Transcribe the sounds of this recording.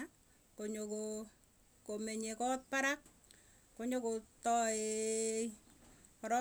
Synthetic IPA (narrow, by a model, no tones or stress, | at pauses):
koɲoko | komeɲekɔt̚paɾak̚ | koɲokotɔe | ɔɾɔ